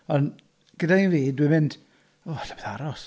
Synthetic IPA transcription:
ɔn | ɡ̥ədainviːdwɨmɪnd̥ | oaɬabeðaɾɔs

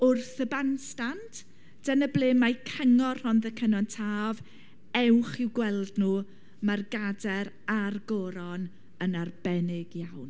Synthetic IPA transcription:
ʊrθəbanstantʰ | d̥ənəblˠeːmajkʰəŋɔrhɔnðəkʰənɔntʰaːv | ɛwχɪwɡwɛlˠdnuː | marɡadɛɾ | arɡɔɾɔn | ənarb̥ɛnɪɡjawn

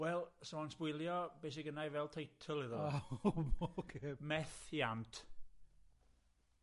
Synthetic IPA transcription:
wɛlˠsɔansb̥ʊɨlˠjɔb̥eːs̬iɡənajvɛlˠtʰejtʰəlˠɪðɔawokʰemɛθiantʰ

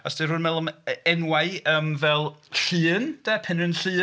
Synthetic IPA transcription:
ɔsd̥ɪrʊnmɛlˠɔmɛnwaɨəːmvɛlˠɬɨːnd̥ɛːpʰɪnənɬɨː

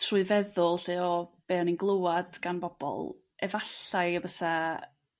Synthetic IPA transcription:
tʰrʊːɨvɛðʊlˠɬɨːɔb̥ɛːɔninɡlˠəwad̥ɡ̥anbɔb̥ɔ̰lˠ | ɛvaɬaɨəbəsa

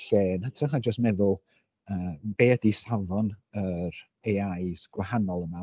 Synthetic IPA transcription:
ɬeːnatʰɔhad͡ʒəstmɛðʊlˠ | əːb̥eːədisaðɔnəɾ | ejaɨsɡ̥wahanɔlˠəma

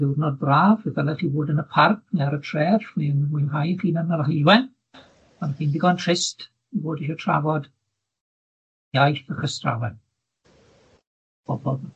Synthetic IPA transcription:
ðɪwrnɔd̚braːvəvɛlˠɛχiboːdənəpʰark̚ʰnɛɾətʰrɛːrfwinwinɦajχiːnənəlɦəjwɛn | anχiːndɪɡɔntʰr̥ɪst | iboːdiʃɔtʰra̰vɔd | jajθəχəstra̰wɛn | b̥ɔbɔb

